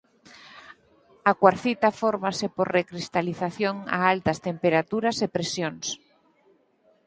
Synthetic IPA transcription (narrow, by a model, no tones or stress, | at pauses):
akwaɾθit̪afoɾmasepoɾrekɾist̪aliθaθjoŋa̰alt̪ɐst̪empeɾat̪uɾɐsepɾesjoŋs